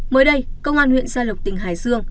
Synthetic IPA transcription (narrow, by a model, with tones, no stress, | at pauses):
məː˨˦jɗə˧jkə˧wŋ͡mʔaː˧nhwḭ˧˨ənsaː˧lə˨˩wk͡p̚t̪ï˨˩ŋ̟ɦaː˨˩jsɨ˧əŋ